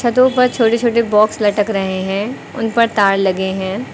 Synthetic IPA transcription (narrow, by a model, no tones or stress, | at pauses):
t͡ʃʰɐt̪õpɐɾt͡ʃʰoːʈet͡ʃʰoːʈ̬ebɔːkslɐʈəkɾɐɦeɦɛ̃ː | ʊnpɐɾt̪aːɽlɐɡeɦɛ̃ː